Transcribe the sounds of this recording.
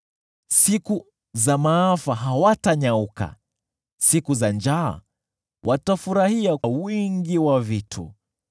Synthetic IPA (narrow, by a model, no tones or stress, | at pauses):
siku | zamaafaɦawataɲauka̰ | sikuzand͡ʒa̰ː | wʔatafuɾahiawiŋɡiwavitʰṵ